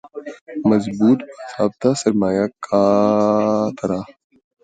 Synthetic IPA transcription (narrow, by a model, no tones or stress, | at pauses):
mɐzbuːt̪bɐsaːb̚t̪aːsɐɾmaːjaːkʰːaː | t̪ʰɐɾaː